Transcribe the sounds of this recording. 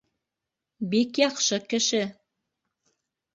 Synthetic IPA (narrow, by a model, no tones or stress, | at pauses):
bikjɑqʃɤkɘ̆ʃɘ